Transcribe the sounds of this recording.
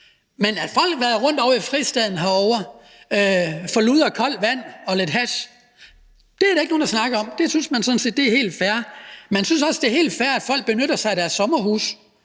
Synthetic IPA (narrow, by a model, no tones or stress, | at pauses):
menæfɒ̽l̰ɡ̥ʋæɐð̩ˠʁɔ̽n̰d̥ɒʊ̰ifʁisd̥ɛð̰ˠn̩ɦɑ̈ɒʊɐ | øfɒ̽luːð̞̰ˠɐkʰɒ̽l̰ʋæn̰ɒ̽le̝d̥ɦæs | d̥e̝æɐɾ̥eɡ̥no̝ːn̩dɑ̈snɑ̈ɡ̥ɐɒ̽md̥e̝synsmænsɒ̽n̩se̝̰ːd̥eæɐhe̝̰ːld̥fæɐmænsynsɒ̽sd̥e̝ɐhe̝̰ːld̥fæɐæd̥fɒ̽l̰ɡ̥̚b̥e̝nøɾɐsɑ̈ɪiɾ̥æɐsːɒ̽mɐhṵːs